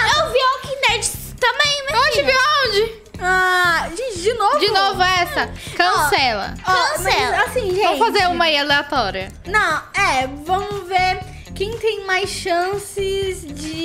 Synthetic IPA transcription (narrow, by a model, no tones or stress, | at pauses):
ewviɔkĩnɛɾd͡ʒ | t̪ɐ̃mbẽj̃meõd͡ʒɪviãwd͡ʒɪ | aʒit͡ʃd͡ʒɪnovd͡ʒinovʊɛsɐkɐ̃ssɛlɐ̰ɔ̃sɛasĩvẽɐ̃m̃wfazeɾũmɐialeat̪ɔɾiɐ | nɐ̃w̃ɛvɐ̃mʊveɾ | kẽj̃t̪ẽj̃majsʃɐ̃sɪzd͡ʒɪ